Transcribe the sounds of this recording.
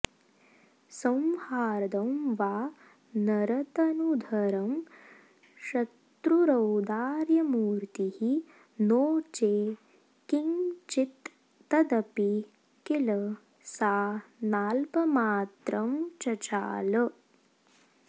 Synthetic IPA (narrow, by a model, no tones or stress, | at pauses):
sɐm̃haːɾd̪ɐmʋaː | nɐɾɐt̪ɐnud̪ʱɐɾɐm | ʃɐt̪ɾuɾɐwd̪aːɾjɐmuːɾt̪ihi | noːt͡ʃeː | kiŋt͡ʃit̪ː | ɐd̪ɐpi | kilɐ | saːnaːlpɐmaːt̪ɾɐmt͡ʃɐt͡ʃa̰ːlɐ